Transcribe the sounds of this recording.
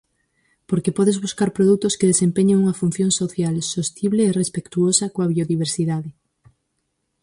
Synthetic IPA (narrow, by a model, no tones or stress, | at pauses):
poɾkepɔðezβuskaɾpɾoðut̪oskeðesempeɲeŋuŋafunθjoŋsoθjalsost̪iβleːrespekt̪uosakoaβ̞ioðiβ̞eɾsiðaðe